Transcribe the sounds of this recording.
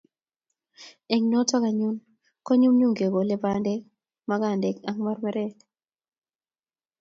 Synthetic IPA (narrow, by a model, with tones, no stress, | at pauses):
e˨ŋnɔ˦tɔ˦ka˨ɲu˦n | kɔ˦ɲu˦mɲu˦ŋɡe˨ɡo˨le˦ba˨nde˦k̚ | ma˦ɡa˨ndɛ˨ka˦ŋma˦rmɛ˦ɾɛ˦d